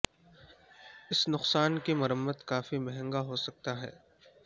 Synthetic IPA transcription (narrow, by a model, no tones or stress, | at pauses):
ɪsnʊqsaːnkimɐɾəmːəd̪kaːfimɛɦɛ̃ŋɡaɦosɐk̚t̪aɦɛ̰ː